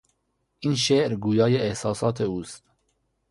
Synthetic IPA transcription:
inʃeʔɾɡujɑːjɛɛhsɑːsɑːt̪ʰɛust̪

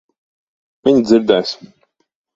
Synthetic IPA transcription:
miɲd̪zʲɪɾd̪ɛːjs

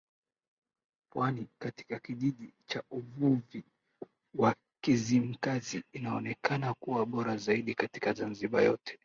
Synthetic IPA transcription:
pwanikati̥kakiʄiɗit͡ʃauvuvi | wa | kizim̩kaziːnaɔnɛkanakuwaɓɔɾazaiɗikati̥kazanziɓa̰jɔ̰tɛ̥

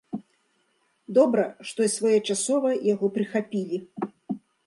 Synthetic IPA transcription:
d̪ɔbɾɐʂt̪ɔisvɔjɛt͡ʂasɔvɐjaɣɔpɾɨxapʲilʲi

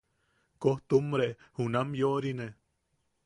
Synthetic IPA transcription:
koht̪umɾe | hunamjoʔɾine

